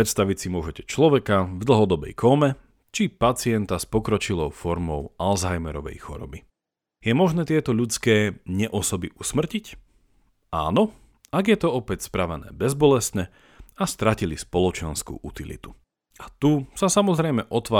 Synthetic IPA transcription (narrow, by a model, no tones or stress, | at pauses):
ɾɛt̪st̪aʋicsimʊɔʒɛcɛ̥t͡ʃlɔʋɛkavd̪l̩ɦɔd̪ɔbɛ̰jkʰɔmɛ | t͡ʃipat͡siɪɛnt̪aspɔkɾɔt͡ʃilɔʊfɔɾmɔʊalzajmɛɾɔʋɛ̰jxɔ̰ɾɔ̰bi | jɛmɔʒnɛːt̪ɪɛt̪ɔʎut͡skɛːɲɛʔɔsɔbiʔusmr̩cic | a̰ːnɔ | aɡjɛt̪ɔɔpɛcspɾaʋɛnɛ̰ːbɛzbɔlɛst̪ɲɛ | ast̪ɾacilispɔlɔt͡ʃɛnskṵːʔut̪ilḭt̪u̥ | at̪usasamɔzɾɛjmɛʔɔt̪ʋaː